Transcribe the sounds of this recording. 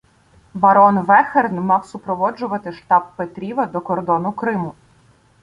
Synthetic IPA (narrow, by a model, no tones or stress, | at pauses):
bɐɾɔnʋɛxernmɑwsʊpɾɔʋɔd͡ʒʊʋɐt̪ɪʃt̪ɑb̚pet̪ɾʲiʋɐd̪ɔkɔrd̪ɔnʊkɾɪmʊ